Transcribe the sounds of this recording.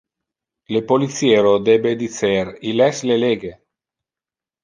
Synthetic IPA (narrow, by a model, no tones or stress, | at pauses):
lepolit̪sjeːɾod̪ɛbed̪it̪seɾilɛsleleɡe